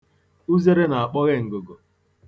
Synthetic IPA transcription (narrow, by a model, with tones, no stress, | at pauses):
u˦ze˦ɾe˦na˨a˨k͡pɔ˦ɣe˦ŋ̩˨ɡʊ˨ɡo˨